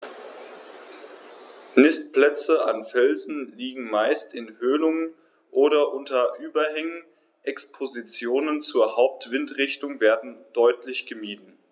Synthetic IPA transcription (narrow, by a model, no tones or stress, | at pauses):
nɪstplɛt͡səʔanfɛlzn̩liːɡŋ̩maɪstɪnhøːnʊŋən | ʔoːɾɐʔʊntɐʔyːbɐɦɛŋən | ʔɛkspʰozit͡sjoːnənt͡suːɐhaʊp̚tv̥ɪntʁɪçtʊŋveːɐdn̩d̥ɔʏtlɪçɡ̥əmiːtn̩